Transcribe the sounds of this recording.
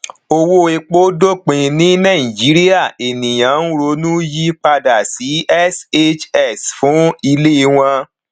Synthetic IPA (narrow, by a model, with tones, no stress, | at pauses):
o˧wo˦e˧k͡po˦do˦k͡pĩ˨˧nĩ˨˦nã˦˨ĩ˨d͡ʒi˨˦ɾi˦a˦˨e˨nĩ˨j̃ã˨˦n̩˦ɾo˧˦nũ˦ji˦k͡pa˧da˨si˨˦ɛ˦se˦t͡ʃɛ˦˨sfũ˨˦i˧le˦i˧w̃ɔ̃˧